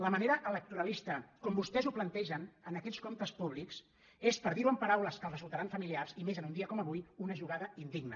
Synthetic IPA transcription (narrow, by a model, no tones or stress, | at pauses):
ləməneɾəʔələk̚t̪uɾəlist̪əkɔmbust̪ɛzuplənt̪ɛʒənənəkɛt͡skomt̪əspuβliks | espəɾðiɾuəmpəɾawləskəlˠrəzulˠt̪əɾaɱfəmiliarzimezənund̪iəkɔməβujunəʒuɣ̞aðəind̪iɡnə